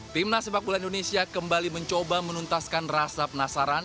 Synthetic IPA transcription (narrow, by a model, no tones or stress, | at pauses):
t̪imnasəbak̚bulanindonesiakəmbaliməɲt͡ʃobamənunt̪askanrasapənasaɾan